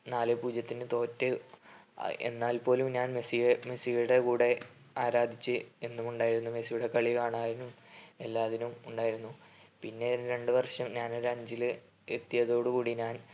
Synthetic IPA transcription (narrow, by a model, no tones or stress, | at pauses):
naːlepuːd͡ʑjɐt̪ːinɨt̪o̞ːtːɨ̰ | ḛnːaːlpo̞ːlumɲaːnmesijemesijuɽekuːɽe̞ | aːɾaːd̪ʱit͡ɕːɨe̞nːumuɳɖaːjiɾunːume̞sijuɽe̞kɐɭikaːɳaːðinume̞lːaːðinumuɳɖaːjiɾunːupinːe̞nɾe̞ɳɖɨʋɐrʂɐmɲaːnoɾɐɲd͡ʑil | e̞t̪ːijɐðo̞ːɽɨkuːɽiɲaːn